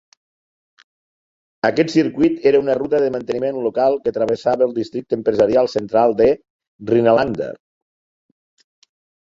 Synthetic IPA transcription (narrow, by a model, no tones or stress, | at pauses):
əkɛt̪siɾkwit̪eɾəunərut̪əðəmənt̪ənimenlokalˠkət̪ɾəβ̞əsaβəlˠd̪ist̪ɾik̚t̪əmpɾəzəɾialˠsənt̪ɾalˠd̪ə | rinəland̪ə̰